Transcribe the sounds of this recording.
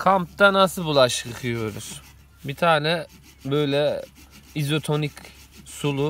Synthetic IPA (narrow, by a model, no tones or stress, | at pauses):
kʰampt̪anasɯbulˠaʃɯkʰɯjo̞ɾuz̥ | bit̪ʰaːnɛ | bøjlʲɛ | izo̞t̪ʰo̞nic | sulˠu